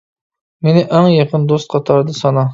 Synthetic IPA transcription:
menɪʔɑŋjɑqənd̪ost̪̚qʰɑt̪ʰɑɾd̪ɨsɑnɑ

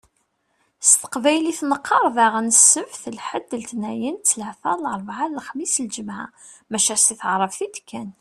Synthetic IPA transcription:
st̪ə̥qvæjliθnəqʰːɑɾˤvæʁənəsːəvθəlħəd̪ːəlt̪næjənt͡sːlʕθæləɾˤvʕalχmisld͡ʒəmʕa | mæʃæsiθəʕɾˤəvθid̪kʰːæn

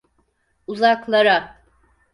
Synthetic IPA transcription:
uzaklˠaɾa

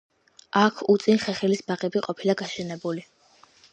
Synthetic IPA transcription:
akʰut̪sʼinχɛχɛlisbaʁʼɛbiqʼɔpʰilˠaɡaʃɛnɛbuli

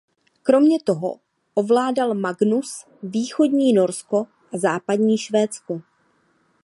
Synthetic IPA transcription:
kɾo̞mɲɛt̪o̞ɦo̰ | ʔovlaːdalmaɡnus | viːxo̞dɲiːno̞ɾsko̞ | ʔazaːpadɲiːʃvɛːt͡sko

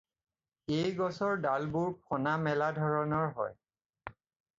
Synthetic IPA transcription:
ejɡɔsɔɹdalbʊɹkʰɔnamɛladʱɔɹɔnɔɹɦɔ̰j

